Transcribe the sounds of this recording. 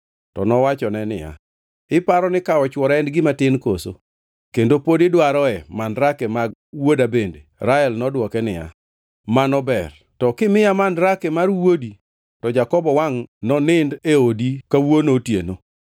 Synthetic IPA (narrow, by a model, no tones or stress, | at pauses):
tɔnɔwat͡ʃɔnɛnɪ̰ja̰ | ɪpaɾɔnɪkaɔt͡ʃwɔɾɛndɡɪmatɪnkoso̰ | kendopodɪdwaɾɔɛmandɾakɛmawodabendeɾaɛlnɔdwɔkɛnɪ̰ja̰ | manɔbɛr | tɔkɪmɪjamandɾakɛmarwodi | tɔd͡ʒakɔbɔwaŋnɔnɪndeodikawonotjeno